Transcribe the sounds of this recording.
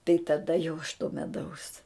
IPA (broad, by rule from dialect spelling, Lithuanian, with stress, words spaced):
tɐɪ tɐˈdɐ jɛʊ ɐʃ toː mʲɛˈdɐʊs